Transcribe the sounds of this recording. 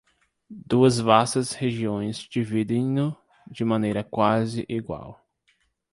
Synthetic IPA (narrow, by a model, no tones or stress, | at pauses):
d̪uɐzvasɐsheʒiõj̃zd͡ʒivid̪ẽj̃nʊ | d͡ʒɪmɐ̃nejɾɐkwazɪʔiɡwa̰w